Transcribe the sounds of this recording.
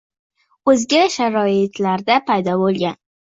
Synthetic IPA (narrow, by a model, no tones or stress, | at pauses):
ɵzɡʲaʃaɾɒɪt̪laɾd̪apʰajd̪ɒbolˠɡʲan